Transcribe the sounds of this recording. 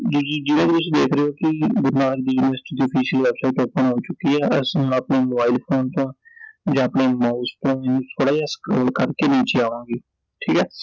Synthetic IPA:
d͡ʒiːd͡ʒiːd͡ʒɪnẽːd̪eʊsːd̪eːkʰɾeːoːkɪɡʊɾnaːʈək̚d̪iːunɪʋəɾsʈiːd̪iːɔpʰiːsəlʋɛːbsaiʈopːənɦoːt͡ʃʊkːiːɛːəsõːəpneːmobaːiːlpʰoːnt̪õːd͡ʒãːəpneːmaːst̪õːmɛ̃ːnũːt̪ʰoːɽaːijaːsə̥kɾoːlkəɾkeːnĩːt͡ʃeaːʋãːɡiː | ʈʰiːkɛː

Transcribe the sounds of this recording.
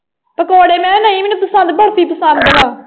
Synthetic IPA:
pəkoːɽeːmɛ̃ːnãːĩːmenũpəsə̃nd̪bəɽt̪iːpəsə̃nd̪d̪əɡaː

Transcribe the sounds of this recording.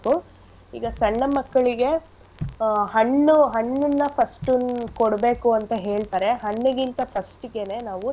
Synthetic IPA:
ku | ḭːɡɐsɐɳːɐmɐkːɐɭiɡe̞ | ɦɐnːuɦɐɳːunːɐpʰɐsʈukoɽbe̞ːkuɐnt̪ɐɦe̞ːɭt̪aːɾe̞ɦɐɳːɐɡint̪ɐpʰɐsʈɡe̞ne̞ːnaːʋu

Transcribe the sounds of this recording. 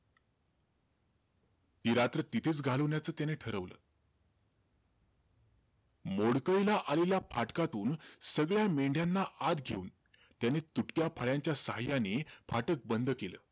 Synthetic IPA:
piɾat̪ɾət̪it̪ʰeːt͡sɡʱaləʋnjat͡səːt̪janeʈʰəɾəʋlə̰ː | moɽkəjlaʔaleljapʰaʈkat̪uːnsəɡɭjameɳɖʱjanːaʔad̪ɡʱeuːn | t̪janet̪uʈkjapʰəɭjaɲt͡ɕjasəɦajanefʰaʈək̚bənd̪ʱkelə̰ː

